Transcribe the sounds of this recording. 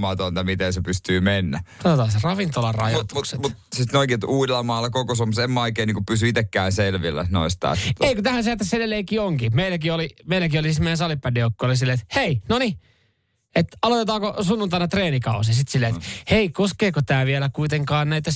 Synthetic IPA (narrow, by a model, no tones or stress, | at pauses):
mɑt̪ont̪ɑmit̪ensepyst̪yːmenːækot̪ot̪ɑːserɑʋint̪olɑrɑ̰jɑt̪umut̪sit̪noikiet̪uːdelːɑmɑːlːɑkokosomusemːæoikeːniːŋkupysyit̪ekːæːnselʋilːæ̰no̰ist̪ɑ̰ːseikut̪æhænseæt̪ːæsedelːˑeikiːoŋkimeilːˑækiolimeilækiolisit̪meijænsɑlipːædiokːoolisilːeːt̪heinoni | et̪ɑlot̪et̪ɑːkosunːunt̪ɑnɑt̪reːnikɑus̬isit̪silːeet̪heikoskeːkot̪æːʋielækuit̪eŋkɑːnnæit̪ːæ